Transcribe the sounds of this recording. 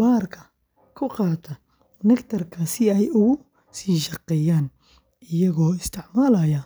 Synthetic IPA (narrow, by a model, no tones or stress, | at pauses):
baːrkʰɐ̥ | kʰʊqɑːt̪ʰɐ | nɐkt̪ʰɐrkʰɐsɪɛjʔʊɣʊ | siːʃɑqːɛjaːn | ʔɪjɐɣɔːɪst̪ʰɪʕmaːlɐjɐ